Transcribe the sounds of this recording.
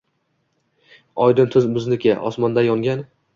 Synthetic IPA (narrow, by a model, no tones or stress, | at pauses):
ɒjd̪ɪnt̪ʰʊzbʊznɪkʲaʔɒ̰smɒnd̪ajɒŋɡʲan